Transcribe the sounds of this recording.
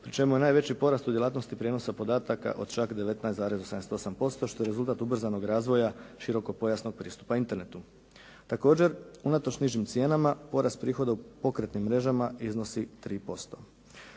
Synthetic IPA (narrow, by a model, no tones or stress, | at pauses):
pɾit͡ʃe̞muje̞naːjʋe̞t͡ɕipo̞ɾast̪ud̪je̞laːt̪no̞st̪ipɾje̞no̞sapo̞d̪aːt̪aka̰ʔo̞d̪̥t͡ʃakd̪e̞ʋe̞t̪najsaːɾe̞zoseamset̪osampo̞st̪o̞ʃt̪ojɾezulˠt̪aːt̪ubr̩zano̞ɡɾaːzʋo̞jaʃiɾo̞ko̞po̞jasnoɡ̚pɾiːst̪u̥paint̪e̞ɾne̞t̪u | t̪ako̞ːd͡ʑe̞ɾunat̪ot͡ʃniʒimt̪sje̞ːnamapo̞ɾast̪̚pɾiːxo̞d̪aupo̞kɾe̞t̪nimːɾe̞ʒamaizno̞sit̪ɾiːpo̞st̪o̞